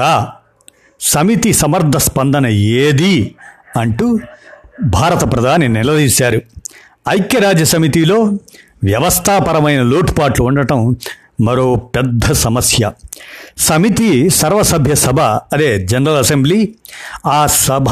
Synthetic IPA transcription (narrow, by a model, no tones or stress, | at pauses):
aː | sɐmit̪isɐmɐɾd̪ʱɐspɐnd̪ɐnɐeːd̪iɐɳʈuː | bʱaːɾɐt̪ɐpɾɐd̪ʱaːninilɐd̪iːsaːɾu | ɐjkjɐɾaːd͡ʒːɐsɐmit̪iːlo̞ː | ʋjɐʋɐst̪ʰaːpɐɾɐmɐjnɐloːʈpaːʈluːɳɖɐʈɐmː | ɐɾo̞ːpɛd̪ʱːɐsɐmɐsjɐ̰ | sɐmit̪isɐɾʋɐsɐbʱjɐsɐbʱɐɐd̪eːd͡ʒɐnɐɾɐlɐsembliːaːsɐbʱ